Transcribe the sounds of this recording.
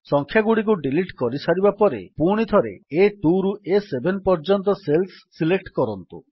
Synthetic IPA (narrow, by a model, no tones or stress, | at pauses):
sɔŋkʰjaɡuɽik̬uɖiliʈkɔɾisaɾibapɔɾḛpuɽ̃it̪ʰɔɾḛeʈuɾuʔesebʱenpɔɾd͡ʒɔnt̪ɔselsːilekʈkɔɾɔnt̪ṵ